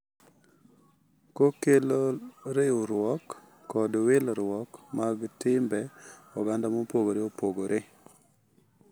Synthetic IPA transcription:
kokeloɾeoɾwɔkː | ɔdwɪlɾwɔkmaɡtɪmbɛɔɡandamopoɡoɾeopoɡoɾʔe

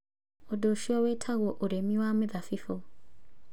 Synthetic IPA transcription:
odoʃiowetʰaɣoʔoɾemiwaːmeðafifo

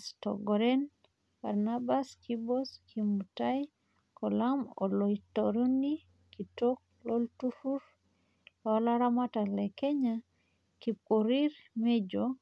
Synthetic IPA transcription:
stɔ̰ɡɔɾɛn | b̥a̰ɾnabaskiboskʰimutaj | kɔlamoloitoɾoni | kitok̚loltufuɾ | lɔlaɾamatalɛkeɲa | kip̚oɾiɾmed͡ʒo

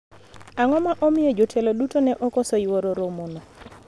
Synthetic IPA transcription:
aŋɔmaʔɔmɪjɔd͡ʒotʰɛlɔɗutonɛʔɔkɔsɔiwoɾoɾomonɔ

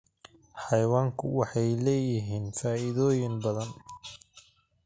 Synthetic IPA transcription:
ħɑjwaːŋkʰʊwɑħɑjlɛːjɪɦiːnfaːɪðɔːjɪŋbɐðɐn

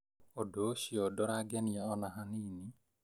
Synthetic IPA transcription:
odoʃiɔdɔɾaɡɛniaɔnaɦanini

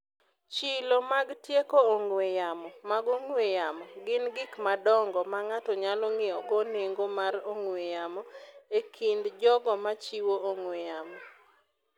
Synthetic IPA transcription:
t͡ʃɪlomaɡtjekooŋwejamɔmaɡoŋwejamɔɡɪnɡɪkmadɔŋɡɔmaŋatɔɲalɔŋɪɔɡɔneŋɡomaroŋwejamɔekʰindd͡ʒɔɡɔmat͡ʃiwooŋwejamɔ

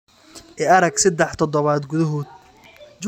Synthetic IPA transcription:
ʔɛʔɐɾɐɡsɐd̪ɛħt̪ʰɔd̪ɔβaːd̪ɡʊðɐɦoːd̪̚ | d͡ʒ

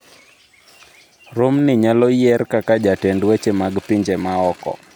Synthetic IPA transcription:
ɾomnɪɲalɔjɛrkakad͡ʒatɛndwet͡ʃemaɡpiɲd͡ʒemaɔkɔ̰

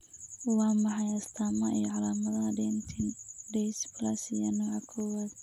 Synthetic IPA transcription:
wɑːmɑħɑjɐst̪ʰaːmɐijɔʕɑlaːmɐðɐɦɐdɛnt̪ʰɪndɛsblɐsijɔnɔːʕɑkʰɔwaːð

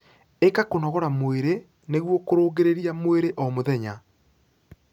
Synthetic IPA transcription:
ekakonɔɣɔɾamoeɾe | neɣwɔkoɾoːɡeɾeɾiamoeɾeʔɔmoðɛɲa

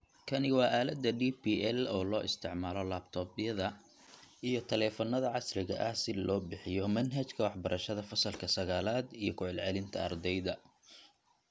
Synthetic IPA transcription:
kʰɐnɪwɑːʔaːlɐd̪ːɐɖiːpiːɛlɔːlɔːʔɪst̪ʰɪʕmaːlɔlaːb̚t̪ʰɔːbɪjɐðɐ | ʔijɞt̪ʰɐlɛːfɔnɐðɐʕɑsrɪɣɐ̰ʔɐsɪlʔɔːbɪħɪjɔmɐnɦɐt͡ʃkʰɐwɑħbɐɾʔɐʃɐðɐfɐsɐlkʰɐsɐɣaːlaːd̪ijɞkʰʊʕɪlʕɛlɪnt̪ʰɐɐ̰rd̪ɛjðɐ

